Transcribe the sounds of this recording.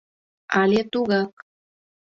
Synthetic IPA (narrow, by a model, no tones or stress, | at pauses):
ɑlʲet̪uɣɑk̚